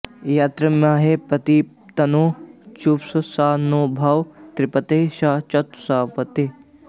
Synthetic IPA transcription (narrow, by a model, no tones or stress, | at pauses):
jaːt̪ɾɐmaːɦepɐt̪i | t̪ɐnoːt͡ʃupsɐsaːnoːbʱaːwt̪ɾipɐt̪eːʃaːt͡ʃɐt̪saːpɐt̪e